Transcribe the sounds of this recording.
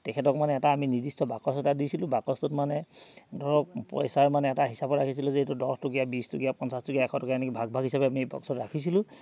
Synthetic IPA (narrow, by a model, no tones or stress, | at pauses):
tɛkʰɛtɔkmanɛːtaːminizistɔbakɔsɛtadisilʊ̃bakɔstʊtmanɛdʱɔɹɔk̚pɔ̰jsaɹmanɛːtaɦisabɔɹakʰis̬ilʊ̃zɛetudɔstokijabistʊkijapɔnsastokijaɛkʰɔtɔkjaɛnɛkibʱaɡ̚bʱaɡʱɦisabɛamibɔ̰ksɔtɹakʰisilʊ̃